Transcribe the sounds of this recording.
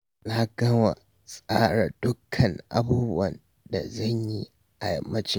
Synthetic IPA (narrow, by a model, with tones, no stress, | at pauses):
na˦ɡɐ˦wa̰˨ | sʼaː˦ɽa˨dʊ˦kʰːɐ˨ŋʔa̰˦buː˦bʊ˦wɐ˨n | da˨zɐ˦ɲji˦ | ʔa˨jɐ̰˨mːɐ˦t͡ʃɪ˦